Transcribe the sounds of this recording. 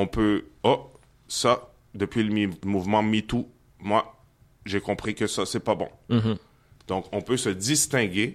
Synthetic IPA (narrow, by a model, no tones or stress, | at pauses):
ɔ̃pøɔ | sa | d̪əpɥiləmimuvmɑ̃mit̪u | mwa | ʒekɔ̃pχikəsasɛpabɔ̰̃ | d̪̥ɔ̃kɔ̃pøsəd̪ist̪ɛ̃ɡʲe